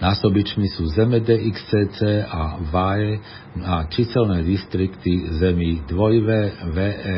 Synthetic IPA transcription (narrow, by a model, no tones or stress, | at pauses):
naːsɔbit͡ʃmisuːzɛmɛd̪ɛːʔikst͡sɛːt͡sɛːaʋajɛ | at͡ʃisɛlnɛːd̪ist̪ɾikt̪izɛmiːd̪ʋɔjʋɛʋɛːɛ